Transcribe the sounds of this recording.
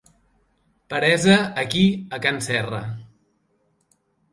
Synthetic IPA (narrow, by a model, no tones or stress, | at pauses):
pəɾɛzəːkiəkansɛrə̰